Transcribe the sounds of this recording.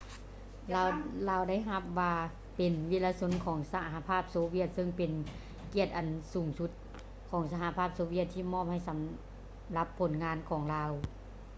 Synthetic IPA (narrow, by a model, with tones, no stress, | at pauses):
laː˧laː˧wda˥˩˨jɦa˧˥p̚ʋaː˧ | pe˨˩nʋi˧˩laː˧so˧˥nkʰɔː˩˦ŋsa˧ɦa˧pʰaː˧˥˩p̚soː˧wi˧˩ət̪̚sɤ˧˥˨ŋpe˨n | ki˧˩ət̪̚ʔa˨˩nsuː˩˦ŋsu˧˥t̪̚ | kʰɔː˩˦ŋsa˧ɦa˧˦pʰaː˥˩p̚soː˧˦˧wi˧˩ət̪ʰːiː˧˩mɔː˧˥˨m̚ha˧˩jsa˨˩˦m | la˧˦pʰːo˨˩˦nŋaː˧˥nkʰɔː˩˦ŋlaː˧w